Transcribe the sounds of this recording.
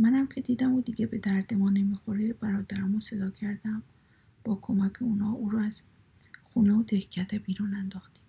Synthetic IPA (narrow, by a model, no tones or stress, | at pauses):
mænæmcʰe̞d̪iːd̪æmod̪iɡʲe̞be̞d̪æɾd̪emɒːne̞miːxoɾeb̥æɾɒːd̪æɾɒːmose̞d̪ɒːcʰæɾd̪æm | b̥ɒːkʰo̞mæcʰeuːnhɒːʔuːɾɔæz̥ | xuːneod̪ehcʰæɾd̪ebiːɾuːnænd̪ɒːxt̪iːm